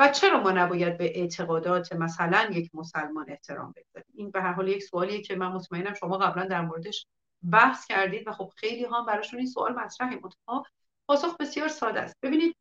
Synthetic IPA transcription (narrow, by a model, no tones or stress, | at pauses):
væt͡ʃʰe̞ɾɒːmɒːnæbɒːjæd̪̚beʔet̪ʰe̞ɣɒːd̪ɒːt̪ʰemæsælænjecʰmosælmɒːne̞ht̪ʰe̞ɾɒ̰ːmbe̞ɡz̥ɒ̰ɾiːmiːnbe̞ɦæɾɦɒːlje̞csoɒːliecʰe̞mænmo̞t̪ʰmæenæmʃo̞mɒːɣæblænd̪æɾmoːɾe̞d̪eʃ | bæhscʰæɾd̪iːd̪væxo̞b̥xe̞jliːɦɒæmbæɾɒːʃuninsoʔɒ̰ːlmæt̪ʰɾæɦimʔont̪ʰɒ̥hɒ | pʰɒːsoxbe̞sijɒːɾsɒːd̪æ̰st̪̚b̥e̞biːniːd̪̚